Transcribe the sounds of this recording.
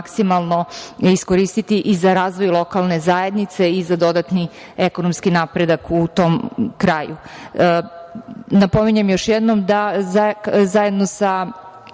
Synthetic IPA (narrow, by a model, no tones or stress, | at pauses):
ksimalˠno̞iskoɾist̪it̪iʔizaɾaːzʋojlˠo̞kalˠne̞zajed̪nit̪se̞izad̪o̞d̪at̪ni | ekonomskinapɾe̞d̪akut̪o̞ːmkɾaːjṵ | napo̞miɲemjo̞ʃjɛd̪nomd̪azazaje̞d̪nosa